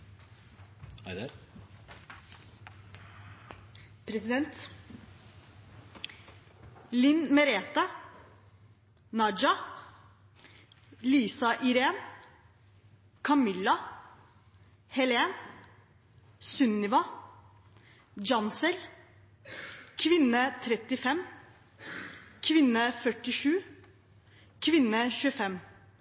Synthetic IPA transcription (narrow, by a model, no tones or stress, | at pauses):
ɑɪd̪ɑɾ | pʰɾɛsɪd̪ɛnt̪ | lɪnmɛɾeːt̪ɑ | nɑd͡ʒɑ | liːsɑʔɪɾeːn | kʰɑmɪlɑ | hɛleːn | sʉnːɪʋɑ | d͡ʒɑnsəl | kʰʋɪnət̪ʰɾɛt̪ɪfɛm | kʰʋɪnəfœʈɪʂʉː | kʰʋɪnəçʉːəfɛm